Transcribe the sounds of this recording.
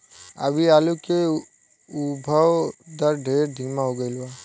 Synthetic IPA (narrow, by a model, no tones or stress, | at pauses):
ə̰bʱiaːluke | ubʱəwd̪əɾɖʱeːɾd̪ʱimaɦoɡəɪlua